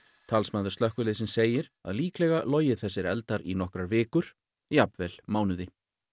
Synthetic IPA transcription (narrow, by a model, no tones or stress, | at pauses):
t̪ʰalsmaːðʏ̥st̪œhkʏlɪðsɪnseːjɪɾa̰ðliːklɛɣalɔːwjɪ̥θɛsːɪɾɛ̰lt̪aɾinɔhkɾaɾvɪːkʏɾ̥ | iapvɛl̥maːwnʏðɪ